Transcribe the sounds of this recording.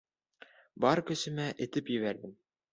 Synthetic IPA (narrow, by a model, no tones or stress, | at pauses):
bɑɾkɵ̆sɘ̆mæʔɘ̆t̪ɘpjɘ̆βæɾd̪ɘm